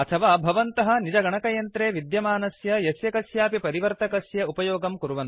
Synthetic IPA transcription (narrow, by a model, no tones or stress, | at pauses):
ɐt̪ʰɐʋaːbʱɐʋɐnt̪ɐɦɐ̆nid͡ʒɐɡɐɳɐkɐjɐnt̪ɾeːʋid̪jɐmaːnɐsjɐjɐsjɐkɐsjaːpipɐɾiʋɐɾt̪ɐkɐsjɐupɐjoːɡɐmkuɾuʋɐn